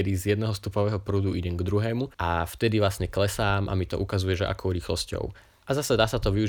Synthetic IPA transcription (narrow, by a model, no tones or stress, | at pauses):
ɛd̪izjɛd̪nɛɦɔst̪upɔʋɛːɦɔpɾuːd̪uiɟɛŋɡd̪ɾuɦɛːmuʔaft̪ɛd̪iʋlasɲɛklɛsaːmʔa̰mit̪ɔ̰ʔukazujɛʒɛʔa̰kɔʊɾiːxlɔ̰scɔ̰ʊ | ʔazasɛd̪aːsat̪ɔʋiu